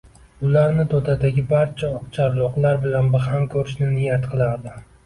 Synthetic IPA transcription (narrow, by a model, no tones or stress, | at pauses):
ʊlaɾnɪt̪ʰod̪ad̪aɡʲɪbaɾt͡ʃʰat͡ʃʰaɾlˠɒqlˠaɾbɪlanbɪhamkʲʰɵɾɪʃnɪnɪjat̪qʰɨlˠaɾd̪ɪ